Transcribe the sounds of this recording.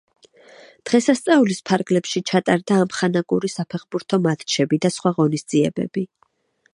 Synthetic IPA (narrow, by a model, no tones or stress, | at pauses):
d̪̥ʁɛsast̪sʼaulispʰaɾɡlɛpʃit͡ʃʰat̪ʼaɾd̪aːmχanakʼuɾisapʰɛχbuɾt̪ʰɔmat̪ʰt͡ʃʰɛbid̪asχwaʁɔnisd̪z̥iɛbɛ̰bi